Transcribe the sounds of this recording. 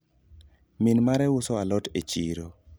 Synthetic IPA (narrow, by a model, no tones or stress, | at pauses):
minmaɾɛwʊsɔalɔtet͡ʃḭɾo